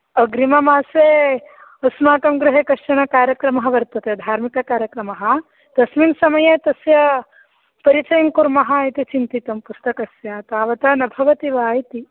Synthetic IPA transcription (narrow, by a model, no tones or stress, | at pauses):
ɐɡɾimɐmaːseːɐsmaːkɐmɡɾuɦeːkɐʂʈɐnɐkaːɾjɐkɾɐmɐɦɐʋɐɾt̪ɐt̪eːd̪ʱaːɾmikɐkaːɾjɐkɾɐmɐɦɐ̆ | d̪̥ɐsminsɐmɐjeːt̪ɐsjɐ | pɐɾit͡ʃɐjɐŋkuɾmɐɦɐjt̪it͡ʃint̪it̪ɐmpust̪ɐkɐsjat̪aːʋɐt̪ɐːnɐbʱɐʋɐt̪iʋaːjt̪i